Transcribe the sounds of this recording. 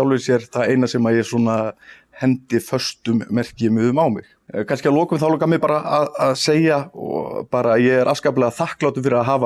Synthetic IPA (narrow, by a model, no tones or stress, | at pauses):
awlvɪsjɛɾ̥θaðejnasɛːmaɾjɛsɔːna | hɛnt̪ɪfœ̥st̪ʏmːɛr̥cɪmɪðʏmawmɪ̰x | kʰanscɪalɔːkʏmθaloːkamɪpaːɾaaðaðseːjaɔ̰paːɾajɛɣɛɾʔaskaːp̬lɛːɣaðθahklaːwt̪ʏmfɪɾɪɾaðɦaːva